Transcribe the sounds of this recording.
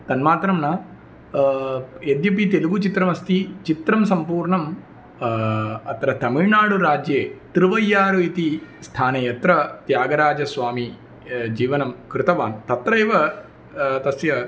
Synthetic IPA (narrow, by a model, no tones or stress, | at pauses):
t̪ɐnmaːt̪ɾɐmnɐ | ed̪jɐp̬it̪eluɡut͡ʃit̪ɾɐmɐst̪it͡ʃit̪ɾɐmsɐmpuːɾɳɐm | ɐt̪ɾɐt̪ɐmiɻɳaːɽuɾaːd͡ʒjeːt̪ɾɪʋɐjːaːɾuit̪ist̪ʰaːnejɐt̪ɾɐt̪jaːɡɐɾaːd͡ʒɐsʋaːmi | d͡ʒiːʋɐnɐmkɾɪt̪ɐʋaːnt̪ɐt̪ɾɐeʋɐ | t̪ɐsjɐ